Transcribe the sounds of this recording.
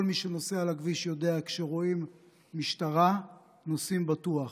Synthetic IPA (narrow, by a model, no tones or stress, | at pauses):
olmiʃeno̞sealaɡviʃjo̞de̞akʃeʁo̞imː | iʃtaʁa | nosimbatuaχ